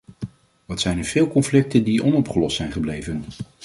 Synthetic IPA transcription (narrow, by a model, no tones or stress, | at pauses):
ʋɑtsɛjnəɹv̥ɪːlˠkɔnflɪk̚təndiʔɔnɔpχəlɔstsɛjnχəblejvən